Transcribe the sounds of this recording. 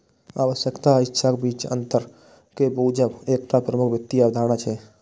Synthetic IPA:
a̰ːʋəʃjəkt̪aɪtːʃʰakebiːt͡ʃə̰̃nt̪əɾ | kebəud͡ʒəbeːk̚t̪apɾəmukʰʋjək̚t̪ːiaːbd̪ʱaːñat͡ʃʰɛ

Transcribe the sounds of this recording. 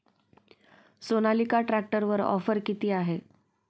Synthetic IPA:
sonalikaʈɾak̚ʈəɾʋəɾɔ̰fəɾkit̪iːaɦe

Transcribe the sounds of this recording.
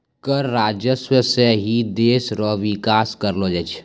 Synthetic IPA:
kəɾːaːd͡ʒjəswəseɦid̪eːsɾoːʋɪkaːskəɾloːd͡ʒɛt͡ʃʰ

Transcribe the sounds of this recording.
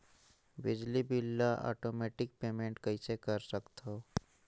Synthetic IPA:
bɪd͡ʒlibɪlːaʔɔ̰ːʈoːmeːʈɪk̚peːmẽːɳʈkɐisekəɾsəkt̪ɦoː

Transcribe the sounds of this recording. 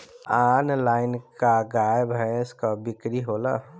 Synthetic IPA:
anlaːɪnkaɡajbʱɛɪskabɪkɾiɦola

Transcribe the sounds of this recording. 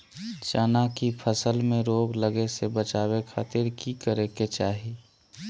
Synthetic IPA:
t͡ʃanakipʰəsəlmẽɾoːɡləɡesebət͡ʃaːwekʰaːt̪ɪɾkikəɾeket͡ʃaːɦi

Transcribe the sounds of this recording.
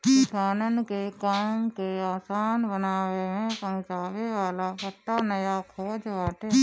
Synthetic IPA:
ksaːnənkekaːmkeaːsaːnbənaːʋeɦẽpə̃ɦt͡ʃaːʋeʋaːlapəʈːanəjakʰɔːd͡ʒbaːʈ̪e

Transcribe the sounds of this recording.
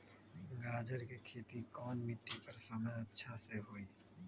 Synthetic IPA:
ɡaːd͡ʒəɾkikʰeːt̪ikɔːnmɪʈːipɐɾsaməɐtːʃʰaseɦoːiː

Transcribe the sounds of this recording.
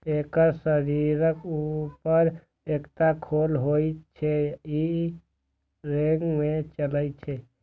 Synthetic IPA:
ekəɾsəɾiɾəkupəɾ | ekt̪akʰolɦoit͡ʃʰei | ɾeŋɡmẽt͡ʃələjt͡ʃʰe

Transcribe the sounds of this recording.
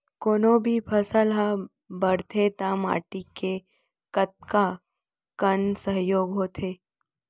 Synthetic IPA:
koːnobʱipʰəsəlɦa | bəɾt̪ʰet̪ama̰ːʈike | kət̪̚ka | kənsəɦjoːɡɦoːt̪ʰeː

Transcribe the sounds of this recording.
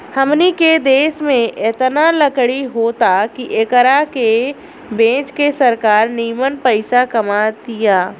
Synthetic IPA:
həmniked̪eːʃmẽʔɛːt̪naləkɽiɦoːt̪akiʔekəɾake | bẽːt͡ʃkesɐɾkaːɾniːmənpəɪsakɐmat̪ijaː

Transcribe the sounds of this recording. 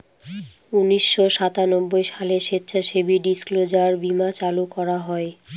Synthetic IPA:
uniʃːoʃat̪anɔbːojʃaleʃet̪ːɕʰaʃebiɖisklod͡ʑaɾbimat͡ɕalukɔɾaɦɔe

